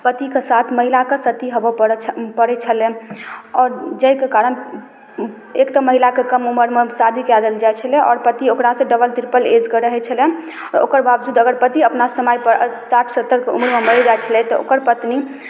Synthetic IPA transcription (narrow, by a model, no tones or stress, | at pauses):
pət̪ikesat̪ʰməɦilakesət̪iɦobəpəpəɾɛt͡ʃʰəlɛɔɾd͡ʒəjkekaɾən | ekt̪əməɦilakekəmuməɾmesad̪ʱikjad̪əld͡ʒajt͡ʃʰəlɛʔɔ̰ːɾpət̪iokɾasẽɖəbəlt̪iɾpəled͡ʒkəɾəɦɛt͡ʃʰəlɛ | o̰kəɾbabd͡ʒud̪əɡəɾpət̪iəpnasəmajpəsaʈʰsət̪ːəɾkeṵməɾmeməld͡ʒajt͡ʃʰəlɛt̪ɔo̰kəɾpət̪ni